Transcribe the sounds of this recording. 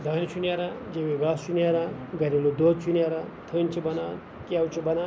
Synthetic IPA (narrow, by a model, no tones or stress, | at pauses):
d̪ʱaːĩt͡ʃʰunaɾad͡ʒeʋiɡaːst͡ʃunʲaɾaɡɐɾilud̪oːt͡ʃʰunaɾat̪ʰont͡ʃʰibɐna | kʲawt͡ʃʰibɐna